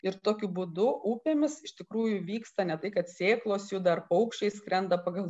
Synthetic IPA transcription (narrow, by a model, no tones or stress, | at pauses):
ɪɾt̪oːkʲʊbuːd̪ʊʔuːpʲeːmʲɪsɪʃt̪ʲɪkɾuːjʊʋʲiːkst̪ɐnʲɛt̪ɐɪkɐt̪sʲeːklˠoːsjuːd̪ɐrpɐʊkʃʲt͡ʃʲɛɪskɾʲɛnd̪ɐpɐɡɐlˠ